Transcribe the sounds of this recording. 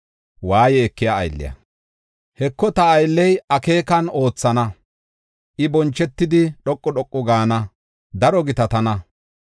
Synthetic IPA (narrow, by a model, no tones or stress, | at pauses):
waːjɛːkːɪjaɐ̰jlːɪ̰jɐ̰ | hɛkːɔt̪ɐːjlːɛjɐke̞ːkɐno̞ːt͡sːɐnɐ | ʔɪbɔnt͡ʃːɛt̪ːɪd̪ɪɗɔkʼːɔɗɔkʼːɔɡaːnɐ | d̪ɐɾɔɡɪt̪ɐt̪ɐnɐ